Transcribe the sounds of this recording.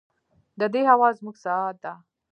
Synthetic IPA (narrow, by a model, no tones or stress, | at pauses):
d̪əd̪eɦawɑzmuɡsaat̪̚d̪a